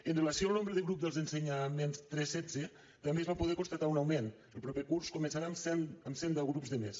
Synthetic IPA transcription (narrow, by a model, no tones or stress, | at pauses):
ənrelasijoalˠnombɾəðəɣɾup̚d̪əlˠzenseɲamenst̪ɾɛsɛd͡ze | t̪ambezβapoð̞ɛkonst̪at̪aunawmen | əlˠpɾɔpekurskomensaɾamsɛnəmsɛnd̪aɣɾupzðəmḛs